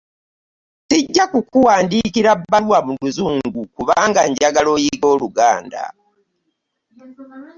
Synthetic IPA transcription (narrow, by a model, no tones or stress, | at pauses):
tiɟːakukuwaːndiːkiɾabːalwamuluzuːŋɡukuβaːŋɡaɲɟaɡalo̞ːjiɡo̞ːluɡa̰ːnda̰